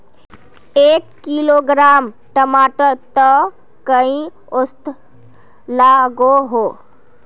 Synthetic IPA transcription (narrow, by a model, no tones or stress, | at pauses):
ekːiloɡɾam | ʈəmaʈəɾt̪ə | kəĩ | ost̪ | laɡoɦo